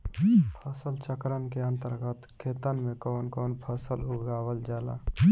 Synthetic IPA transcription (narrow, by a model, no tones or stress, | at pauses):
pʰəsəlt͡ʃəkɾənkeə̃nt̪əɾɡət̪kʰeːt̪ənmekɔːnkoːnpʰəsəluɡaːwəld͡ʒaːla̰